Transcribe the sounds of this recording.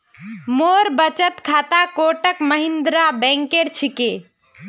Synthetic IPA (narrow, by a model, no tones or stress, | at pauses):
moɾbət͡ʃət̪kʰat̪akoʈəkməɦind̪ɾabɛ̃ŋkeɾt͡ʃʰike